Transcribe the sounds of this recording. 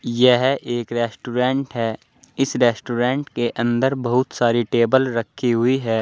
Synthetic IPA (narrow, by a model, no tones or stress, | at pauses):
jɛɦʔeːkɾɛːsʈuːɾẽːɳʈɦɛː | ɪsɾɛːsʈuːɾẽːɳʈkeʔɐ̃nd̪əɾbɐɦʊt̪saːɾiʈeːbəlɾɐkʰːiɦʊiɦɛː